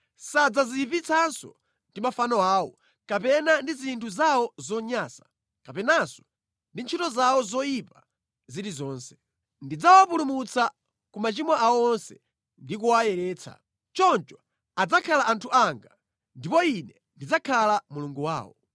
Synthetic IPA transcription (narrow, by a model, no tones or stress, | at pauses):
sad͡zazipit͡sʰansɔ̰ | ndimafanɔaːwɔ̰ | kapɛnandizintʰuzawɔzɔɲaːsḁ | kapɛnasɔ̥ | ndint͡ʃʰitɔzawɔzɔjipa | ziɾizɔːnsɛ̥ | ndid͡zawapulumut͡sa | kumat͡ʃimwaʔaɔɔnsɛ | ndik̬uwajɛɾɛːt͡sʰa̰ | t͡ʃɔnt͡ʃwa | ad͡zakʰalaʔantʰuʔaŋɡa | ndipɔinɛ | ndid͡zakʰalamuluŋɡuwa̰ːwɔ̰